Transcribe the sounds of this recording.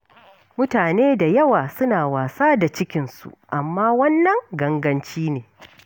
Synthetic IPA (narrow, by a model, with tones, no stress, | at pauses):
mʊ˦taː˨neː˦da˨jɐ˦waː˨sʊ˦naː˨waː˨saː˦da˨t͡ʃɪ˦kʲɪ˨nsṵ˨ʔa˨mːaː˦wɐ˦nːɐ˨ŋɡɐ˦ŋɡɐ˦nt͡ʃiː˦neː˨